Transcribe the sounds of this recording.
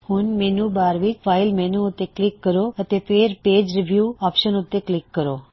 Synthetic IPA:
hũnmenubaɾʋid͡ʒfailmɛnuut̪ːeklikːəɾoət̪efeːɾpeːd͡ʒɾiʋjuɔpʃənut̪ːeklikːəɾo

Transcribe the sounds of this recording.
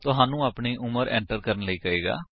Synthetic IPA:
t̪ʊɦaːnũːaːpɳiːʔʊməɾɛ̰̃ːɳʈəɾkəɾənləiːkəeːɡa̰ː

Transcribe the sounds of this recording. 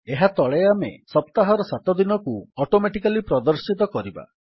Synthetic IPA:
eɦat̪ɔɭejamḛsɔp̚t̪aɦɔɾɔsat̪ɔd̪inɔkuɔʈomeʈikalipɾɔd̪ɔɾsit̪ɔkɔɾiba̰

